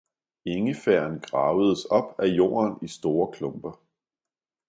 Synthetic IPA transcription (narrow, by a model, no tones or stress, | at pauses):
e̝ŋəfæɐ̰nɡ̥ʁɑ̈ːʊəð̞̩ˠəsɒ̽b̥æjo̝̰ːɐnisd̥o̝ːɐkʰlɔ̽mb̥ɐ